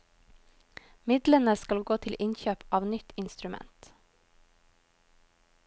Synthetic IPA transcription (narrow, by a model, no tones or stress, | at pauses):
mɪd̪lənəskɑlɡoːt̪ʰɪlʔɪnçøːpɑːʋnʏt̪ɪnst̪ɾʉmɛ̰nt̪